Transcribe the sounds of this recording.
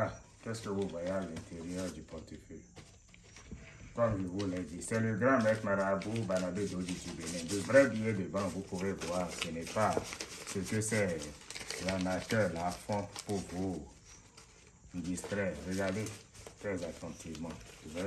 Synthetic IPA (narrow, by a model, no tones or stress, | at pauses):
a | kɛskewovajalɛ̃ntʰeɾiɛɾd͡ʒipɔtife | kɔmliwulɛd͡ʒisɛløɡɾãmɛknãɾabubalabedod͡ʒid͡ʒibenɛ̃devɾɛbĩebebãɡukoveɡuasenɛpasekøsɛ | lanatɛlafɔ̃puvu | d͡ʒistɾɛɾeɡadetɛzatʰãtʰivmãvɛ